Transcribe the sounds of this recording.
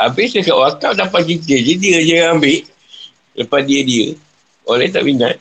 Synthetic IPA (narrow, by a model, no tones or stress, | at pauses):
ʔabɪsəkaʔwakawdapat̪̚kit̪̬ed͡ʒədiəd͡ʒəambɪʔ | ləpat̪̚diədiə̰ | olɛht̪a̰ʔiŋa̰t̪̚